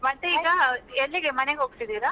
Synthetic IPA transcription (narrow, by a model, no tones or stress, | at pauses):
mɐnt̪eiːɡɐɛlːiɡemɐneɡɦoːɡ̚t̪id̪iːɾa